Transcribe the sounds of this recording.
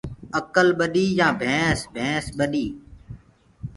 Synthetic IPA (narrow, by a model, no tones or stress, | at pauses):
əkəlɓəɗiːjãːbʱẽːsbʱẽːsɓəɗiː